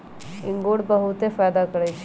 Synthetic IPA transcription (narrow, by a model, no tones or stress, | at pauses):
ɪ̃ŋɡoɽbəɦut̪efaːjd̪akəɾɛt͡ʃʰ